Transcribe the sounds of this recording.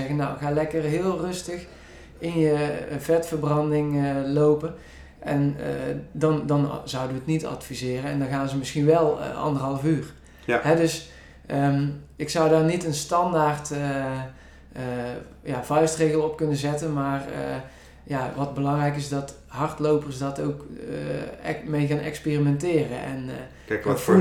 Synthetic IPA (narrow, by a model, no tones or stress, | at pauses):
ɛɣənawɣaːlɛkərɦɪːlˠrɵstəx | ɪnjəvɛtfərbrɑndɪŋəlowpən | ʔɛn̰dɑndɑnzʌwdəʋəətnitɑ̰tfizɪːrənɛndɑnɣaːnzəmɪsxinʋɛl̰ˠʔɑ̰ndərɦɑlˠəfyːr | ɦɛdɵs | əɪksʌwdaːrnitənstɑndaːrtə | javɑjstrejɣəlˠɔp̚kɵnəzɛtənmaːrə̰ | jaʋɑt̚bəlɑŋrɛjkɪzdɑt | ɦɑrtlowpərsdɑtowk | mejɣaːnɛ̰kspeːrimɛntɪːrənʔɛ̰n | fu